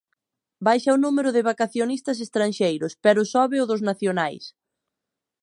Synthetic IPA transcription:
bajʃaʊnumeɾʊðɪβakaθjonist̪ɐs̬est̪ɾanʃejɾʊspɛɾʊsɔβɪʊðʊznaθjonajs

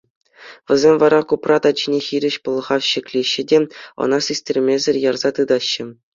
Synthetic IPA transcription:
ʋʲɘ̆zʲemʲʋɑɾɑkuprɑt̪ɑd͡ʑinʲexʲiɾʲɘ̆ɕpɤ̆lˠɤ̆ʁɑfɕɘ̆kʲlʲiɕːɘ̆dʲeɤ̰̆nɑsʲisʲtʲerʲmʲezʲɘ̆rʲjɑrz̥ɑt̪ɯd̪ɑɕːɘ̆

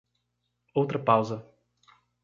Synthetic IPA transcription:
owt̪ɾɐpawzɐ

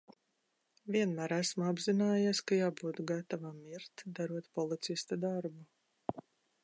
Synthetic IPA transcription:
vʲiɛnmæːɾæsmabzinaːjaskajaːbuːt̪ɡat̪avamiɾt̪d̪aɾuɔt̪pɔlˠit̪sist̪ad̪aɾbu

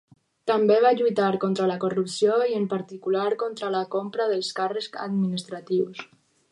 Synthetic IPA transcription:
t̪ambeβ̞aʎujt̪aɾkont̪ɾəlakorupsioiəmpaɾt̪ikulaɾkont̪ɾəlakompɾaðəlˠskarəska̰d̪minist̪ɾat̪iws

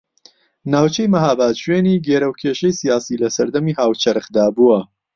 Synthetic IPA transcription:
naːwt͡ʃʰejmɐɦaːbaːt̪ʃweːniːɡeːɾɐwkʰeːʃɐjsijaːsiːlɐsɐɾd̪ɐmiːhaːwt͡ʃʰɐɾɨxd̪aːbuwɐ

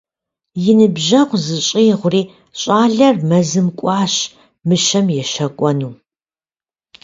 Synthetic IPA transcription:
jɪnɨbʑɐqʷzɨɕʼiːʁʷʊriː | ɕʼaːɮɐrmɐzɨmkʷʼɑːɕ | mɨʃɐmjɛʃɐkʷʼɔnuː

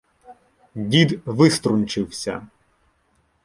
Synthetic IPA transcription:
dʲid̪ʋɪst̪ɾunʲt͡ʃɪwsʲɐ̰

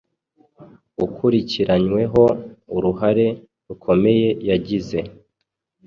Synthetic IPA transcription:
ukʰuɾiciɾaɲwe̞ɦo̞uɾuɦaɾe̞ | ɾukʰo̞me̞je̞jaɟize̞

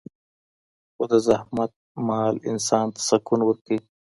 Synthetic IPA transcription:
xod̪əzahmat̪̚mɑlɪ̰nsɑːnt̪ḁsakunwəɾkəj

